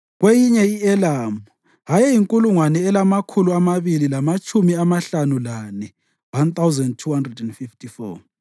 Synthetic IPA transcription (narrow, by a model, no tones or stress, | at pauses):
ɣwejiɲɛiɛlamu | ɦajɛjiŋkʼuluŋwanɛːlamakʰuluamaβililamat͡ʃʼumiamaɬanulanɛ | want̪ʰawzɛndtʰuhandrɛdɛnfiftʰifɔ̰